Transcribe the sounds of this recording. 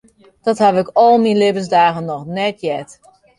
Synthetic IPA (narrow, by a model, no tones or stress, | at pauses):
d̥ɔthaʋɪkɔlˠminlɪbənsdaːɣənːɔxnɛtjɛt